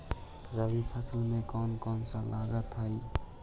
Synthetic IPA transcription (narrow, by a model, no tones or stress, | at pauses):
ɾabipʰasilnekɔnkɔnsalaɡat̪ʰaj